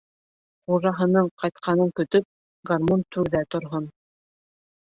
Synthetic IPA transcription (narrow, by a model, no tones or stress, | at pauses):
χuʒɑɦɤ̆nɤɴqɑjt̪̚qʰɑnɤŋkɵ̆t̪ɵp̚ | ɡarmont̪ʉɾðæt̪ŏɾɦon